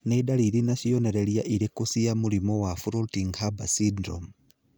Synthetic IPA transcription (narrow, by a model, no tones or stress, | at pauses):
nɛdaliɾinaʃijɔnɛɾɛlijaʔiɾekusijamulimɔwafuɾotiŋhabasidɾɔ̰m